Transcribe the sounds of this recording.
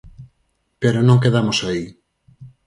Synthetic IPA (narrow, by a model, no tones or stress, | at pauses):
peɾonõŋkeðamosai